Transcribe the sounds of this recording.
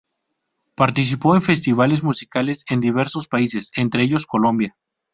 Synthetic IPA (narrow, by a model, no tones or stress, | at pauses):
paɾt̪is̬ipo̞enfe̞st̪iβ̞ale̞zmusikale̞se̞nd̪iβ̞e̞ɾso̞spaise̞se̞nt̪ɾeeʝo̞sko̞lõ̞mbja